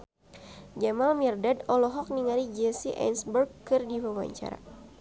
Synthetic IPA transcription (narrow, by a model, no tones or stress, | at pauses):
d͡ʒamalmirdadɔlɔɦɔk̚niŋalid͡ʒɛsiʔa̰nsbərɡkɨrdiwawa̰ɲt͡ʃa̰ɾa̰